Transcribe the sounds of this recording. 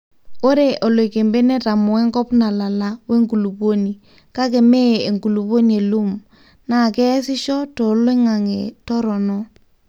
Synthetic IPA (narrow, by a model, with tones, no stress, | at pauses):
o˦ɾe˨ʔɔ˨lwe˨ke˨mbe˦nɛ˦ta˨mɔ˨ɛ˦ŋkɔ˦pna˨la˨la˦we˦ŋɡu˨lu˨po˦ni˨ | ka˦k̬ɛ˨mɛ˦˨e˨ŋɡu˨lu˨po˦ni˨e˨lu˦m | na˦˨kɛ˦sɪ˦ʃɔ˦tɔ˨˦le˦ŋa˨ŋḛ˨tɔ˦ɾɔ˨nɔ˦